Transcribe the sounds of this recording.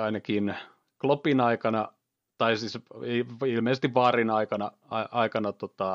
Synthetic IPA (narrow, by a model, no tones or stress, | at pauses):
ɑinɑkin | klopinɑikɑnɑ | t̪ɑisisiilmeˑsest̪iʋʋɑːrinɑikɑnɑ | ɑʔɑikɑnɑt̪ot̪ɑ